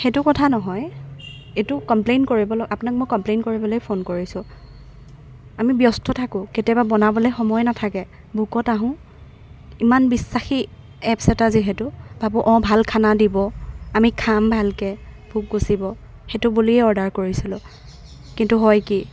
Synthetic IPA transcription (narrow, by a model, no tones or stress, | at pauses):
xetʊkɔtʰanɔɦɔj | etʊkɔmplenkoɹibɔlɔapʊnak̚mojkɔmplejnkoɹibɔlojpʰonkoɹisʊ̃ | amibjɔstʰɔtʰakʊ̃ketjɔbabɔnabɔlɔjxɔmɔjnatʰakɛ | bʱukɔtaɦʊ̃ | imanbisːaxi | ɛpsɛtaziɦɛtʊb̥abuʔɔ̃bʱalkʰanadibɔamikʰambʱalkɛ | bʱuk̚ɡusibɔ | xetʊbuliɛɔɹdaɹkoɹisilʊ̃ | kintuɦɔjki